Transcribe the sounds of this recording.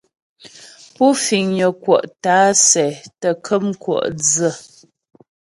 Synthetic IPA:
pu˦fi˨ŋɲə˨kwɔ̰˨ʔtaː˨˦sɛ˨tə˨kʰə˦mkwɔ̰˨ʔd͡zə˦˨

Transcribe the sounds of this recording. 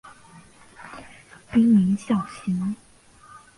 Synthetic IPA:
pi˥ŋmi˧˥nɕjɑ˥˩ʊɕʰi˥n

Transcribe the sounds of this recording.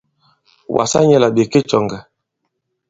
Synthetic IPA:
wa̰˨sa̰˦ɲɛ˦la˨ɓe˨ke˦t͡ʃɔ˨ŋɡa˨

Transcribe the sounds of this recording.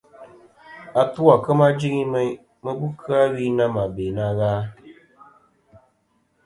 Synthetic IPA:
a˨tu˦a˨kɨ˦ma˦d͡ʒi˦ŋi˦mɨ˦ | mɨ˦bu˦kʰɨ˦a˦wiː˦na˦ma˨beː˨na˦ɣaː˦

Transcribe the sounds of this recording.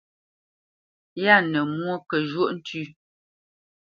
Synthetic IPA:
ja˦˨nə˨mwo˦kə˨ʒwo˦˨ʔn̩˦tʰʉ˦˨

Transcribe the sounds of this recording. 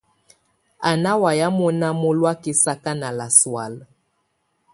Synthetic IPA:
a˨na˦wa˨ja˦mɔ˦na˦mo˦lwa˦ki˦sa˦ka˦na˨la˨swa˨l

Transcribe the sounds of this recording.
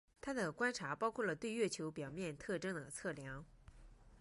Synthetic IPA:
t̪ʰa˥d̪ə˨kwa˥nʈ͡ʂʰa˧˥pɑ˥ʊkʰwɔ˥˩lə˩t̪we˥˧ɪɥɛ˥˩t͡ɕʰjo˧˥ʊpjɑ˨˩ʊmjɛ˥˧nt̪ʰɤ˥˩ʈ͡ʂɤ˥ŋd̪ə˨t͡sʰɤ˥˩ljɑ˧˥ŋ

